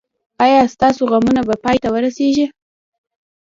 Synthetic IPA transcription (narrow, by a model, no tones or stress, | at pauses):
ɑjɑst̪ɑsoɣamunabapɑjt̪awəɾaseʒi